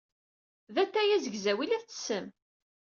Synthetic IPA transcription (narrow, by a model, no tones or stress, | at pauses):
ðæt̪ːæjæzəɡzæwilæθt͡sːə̥sːəm